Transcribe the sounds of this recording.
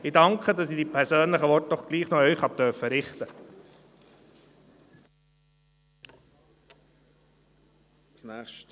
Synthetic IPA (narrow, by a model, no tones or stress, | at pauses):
ɪdɑŋkχədɑsidiːpʰɛɾsøːnləχəʋɔɾt̚d̥ɔχɡ̥liːχnɔœʏχɑp̚t̪œɾfəɾɪχt̪ə | snæːχʃt